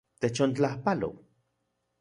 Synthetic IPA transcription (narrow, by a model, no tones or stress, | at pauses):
t̪et͡ʃont͡ɬahpalo̰w